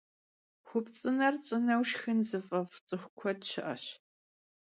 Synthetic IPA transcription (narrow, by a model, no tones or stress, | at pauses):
xʷʊpt͡sʼɨnɐrt͡sʼɨnɐwʃxɨnzɨfʼɐvt͡sʼɨxʷkʷʰɔdɕɪʔɐ̰ɕ